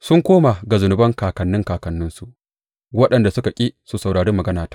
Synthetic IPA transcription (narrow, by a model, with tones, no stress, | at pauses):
sʊ˦ŋkʷoː˦ma˨ɡa˨zʊ˨nʊ˨˦bɐ˦ŋkaː˨kɐ˨nːɪ˦ŋkaː˨kɐ˨nːʊ˦nsu˨ʔ | wɐ˦ɗɐ˨nda˨sʊ˦ka˨kʲʼiː˦su˨sɐ˨wɽaː˨ɽe˦mːɐ˨ɡɐ˦naː˨tḁː˦